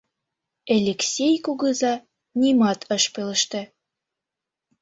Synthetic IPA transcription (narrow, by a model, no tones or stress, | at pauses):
elʲeksʲejkuɣəzɑ | nʲimɑt̪ʰəʃpøləʃt̪ĕ